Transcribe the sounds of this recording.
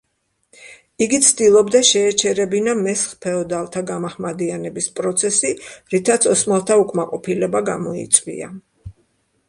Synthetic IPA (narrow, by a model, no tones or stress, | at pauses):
iɡit̪sʰd̪ilˠɔbd̪aʃɛːt͡ʃʰɛɾɛbinamɛsχpʰɛɔd̪alˠt̪ʰaɡamaχmad̪ianɛbispʼɾɔt̪sʰɛsiɾit̪ʰat̪sʰɔsmalˠt̪ʰaukʼʰmaqʼɔpʰilɛbaɡamɔḭt̪sʼwḭa̰